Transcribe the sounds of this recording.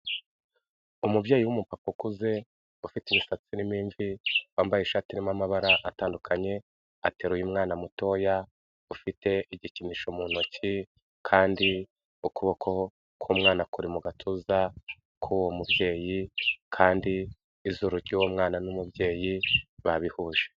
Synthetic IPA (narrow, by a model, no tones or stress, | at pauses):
umubje̞ːjiwumupapokuze̞ | ufiteimisat͡sinimiːɱviwaːmbajeʃaːtinimamaβaɾaʔataːndukʰaɲe̞ | ate̞ːɾujimŋaːnamuto̞ja | ufite̞ʔiɟiciniːʃomuːn̥oci | kʰaːndi | ukuβokʰo̞ | kʰuːmŋaːnakuɾimuɡatʰuza | kʰuwomubje̞ːjikʰaːndiː | zuɾuɾɟiwomŋaːnanumubje̞ːjiβaβihuːʒ̥e